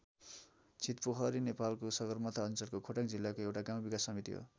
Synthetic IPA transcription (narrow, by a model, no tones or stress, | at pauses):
t͡sʰit̪poɦʰʌɾinepalkosʌɡʌrmʌt̪ʰaʌnt͡sʌlkokʰoʈakd͡zilːakoewʈaɡãw̃bikasːʌmit̪ḭɦo̰